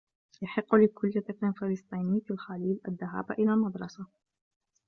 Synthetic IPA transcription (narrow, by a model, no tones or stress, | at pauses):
jɑħɪqːlɪkʊlːɪt̪akɪnfɑlɨsˤt̪ˤiːnɪjfilxaliːlʔaðːaɦa̰ːbʔɪlalmɑd̪ɾˤɑsa